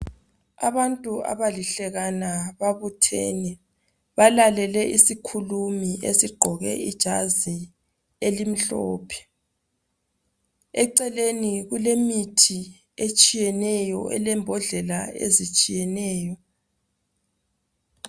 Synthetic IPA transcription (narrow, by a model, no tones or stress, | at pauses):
a̰βantʼua̰βaliɬɛɣanaβaβutʰḛni | βalalɛlɛʔisikʰulumiesiɡ͡ǃʱɔɣɛ̰id̥ʒ̥ʱazi | elim̩ɬɔːpʰɛ̥ | ɛǀɛleniɣulemitʰi | et͡ʃʼijɛnɛjɔ̰ʔɛ̰lɛmbʱɔɮɛlaḛzit͡ʃʼijɛnɛːjɔ